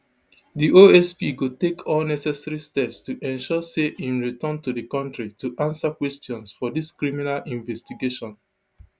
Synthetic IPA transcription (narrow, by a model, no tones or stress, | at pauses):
diʔoɛspiɡotekʰɔlnɛsɛsaɹistɛpstuʔɛ̃nʃɔseʔĩnɹitɔ̃ntudikɔ̃ntɹituʔãnsakwɛstjɔ̃nsfɔdiskɹiminalĩɱvɛstiɡeʃɔ̃n